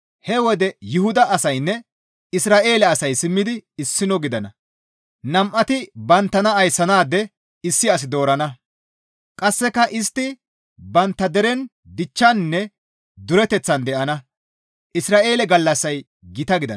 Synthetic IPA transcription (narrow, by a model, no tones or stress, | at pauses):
hɛwɔd̪ɛjʊhʊd̪ɐʔɐsɐjnːɛ | ɪsɾaːʔe̞ːlɛɐsɐjsɪmːɪd̪ɪːsːɪnɔɡɪd̪ɐnɐ | nɐmʔɐt̪ɪbɐnt̪ːɐnɐɐjsɐnaːd̪ɛ | ɪsːɪɐs̬ɪd̪o̞ːɾɐnɐ | kʼɐsːɛkɐʔɪst̪ːɪ | bɐnt̪ːɐd̪ɛɾɛn | d̪ɪt͡ʃːɐnnːɛ | d̪ʊɾɛt̪ɛt͡sːɐnd̪ɛʔɐnɐ | ʔɪsɾaːʔe̞ːlɛɡɐlːɐsːɐj | ɡɪt̪ɐɡɪd̪ɐ̰